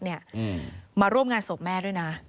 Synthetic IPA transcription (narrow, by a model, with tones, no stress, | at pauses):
ni˥˩ɐ | maː˧ɾu˥˩əmŋaː˧nso˨˩p̚mɛː˥˩ɾu˥˩jna˦˥